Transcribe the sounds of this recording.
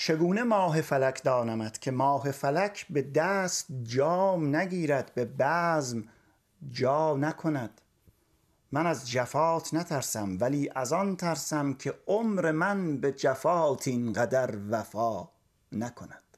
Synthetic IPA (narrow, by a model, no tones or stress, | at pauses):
t͡ʃʰe̞ɡuːne̞mɒːɦe̞fælækʰd̪ɒːnæmæd̪̥kʲʰe̞mɒːɦe̞fælækʰbe̞d̪æːst̪̚d͡ʒɒːmnæɡiːɾæd̪be̞bæːzm | d͡ʒɒːnækʰonæd̪̥ | mænæzd͡ʒæfɒːt̪ʰnæt̪ʰæɾsæmvæliːʔæzɒnt̪ʰæɾsæmkʲʰe̞omɾe̞mænbe̞d͡ʒæfɒːt̪ʰinɢæd̪æɾvæfɒː | nækʰonæd̪̥